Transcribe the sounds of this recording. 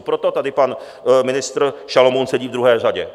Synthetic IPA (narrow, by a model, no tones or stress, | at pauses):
pɾot̪o̞t̪adɪpan | mɪnɪst̪ɾʃalomonsɛɟiːvd̪ɾuɦɛːr̝aɟɛ